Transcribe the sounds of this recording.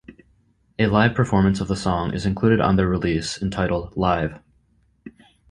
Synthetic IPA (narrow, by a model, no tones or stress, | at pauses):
ɨlaɪv̥pʰə˞fɔɹmɨ̃nsʌvðəsɔ̃ŋʔɨ̰zɨ̃nkʰl̥uɾɨɾn̩ðə˞ɹɪlisɨ̃n̩tʰaɪɾl̩ˠdlaɪv̥